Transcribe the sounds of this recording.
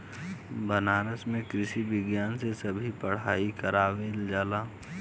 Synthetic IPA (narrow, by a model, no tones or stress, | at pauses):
bɐnaːɾəsmẽkɾɪʃibɪɡjaːnsesɐbʱipɐɽ̤aːikɐɾaːʋeld͡ʒaːlaː